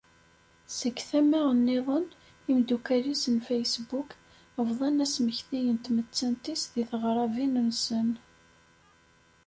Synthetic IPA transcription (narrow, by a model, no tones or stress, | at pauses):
səkːθæmːæʁənːɪðˤən | imd̪ukæɾisənfæjsbuk | əvðˤɑnæsməçθijənt̪mət͡sːænt̪isðiθʁɾˤɑvinənsən